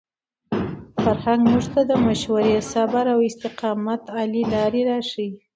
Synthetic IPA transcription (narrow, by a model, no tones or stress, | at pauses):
faɾhaŋɡmuʐt̪ad̪əmaʃwaɾesabaɾawɪst̪ɪqɑmat̪ɑlilɑɾeɾɑʂii